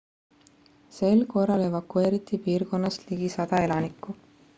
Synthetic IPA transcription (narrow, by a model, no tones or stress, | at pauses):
se̞lko̞rːɑle̞vɑkːue̞ːɾit̪ːˑipiːrko̞nːɑst̪liɡ̥isɑd̪̥ɑe̞lɑnikːˑu